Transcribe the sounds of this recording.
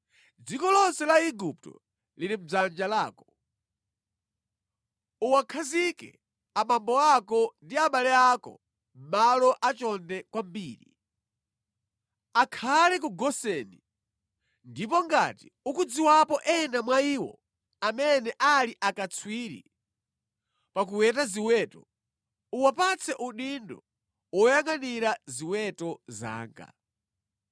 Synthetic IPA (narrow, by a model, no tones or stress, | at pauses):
d͡zikɔlɔnsɛlaiɡup̚tɔ̰ | liɾim̩b͡ʐand͡ʒalaːkɔ | uwakʰazikɛ̰ | amambɔakɔndiaɓalɛakɔ̰ | m̩malɔʔat͡ʃɔndɛkwambiːɾḭ | akʰalɛk̬uɡɔsɛni | ndip̬ɔŋɡatiukud͡ziwapɔʔɛnamwaiːwɔ̰ | amɛnɛʔaliʔakat͡sʰwiːɾḭ | pak̬uwɛtaziwɛtɔ | uwapat͡sʰɛʔuɗindɔ | wɔjaŋɡaniɾaziwɛtɔza̰ːŋɡa̰